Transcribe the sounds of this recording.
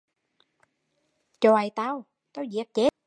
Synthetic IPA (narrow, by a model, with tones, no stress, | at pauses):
t͡ɕo˧ʔa˨˩jt̪aː˧w | t̪aː˧wzi˨˩ək̚t͡ɕe˦˥